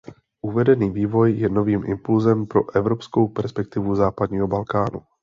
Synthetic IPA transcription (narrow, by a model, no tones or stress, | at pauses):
ʔuvɛdɛniːviːvo̞jːɛno̞viːmʔɪ̰mpulzɛmpɾo̞̰ʔɛvɾo̞psko̞wpɛɾspɛk̚t̪ɪvuzaːpadɲiːɦo̞balkaːnṵ